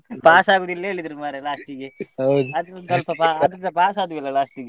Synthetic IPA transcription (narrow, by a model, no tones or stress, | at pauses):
paːsaːɡuːd̪ilːɐeːɭid̪ɾumaːɾelaːʂʈiɡeɦɐwd̪uɐd̪k̪ɐlpɐpaːɐɐd̪ɐpaːsaːd̪uʋilːɐlaːʂʈiɡe